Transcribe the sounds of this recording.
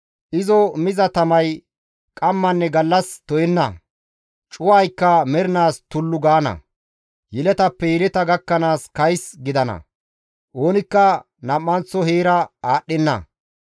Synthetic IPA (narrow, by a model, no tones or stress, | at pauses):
ʔɪzɔmɪzɐt̪ɐmɐj | kʼɐmːɐnːɛɡɐlːɐst̪ɔjɛnːɐ̰ | t͡ʃʼʊwaːjkːɐmɛɾɪnaːst̪ʊlːʊɡaːnɐ̰ | jɪlɛt̪ɐpːɛjɪɾɛt̪ɐɡɐkːɐnaːskɐjsɡɪd̪ɐnɐ̰ | ʔo̞ːnɪkːɐ | nɐmːɐnt͡sːɔɦeːɾɐaːɗːɛnːɐ̰